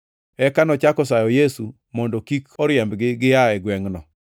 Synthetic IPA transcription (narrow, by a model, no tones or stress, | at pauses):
ɛkanɔt͡ʃakɔsajɔjesu | mɔndɔkikɔɾjɛmbɡɪɡɪjaɛɡwɛŋnɔ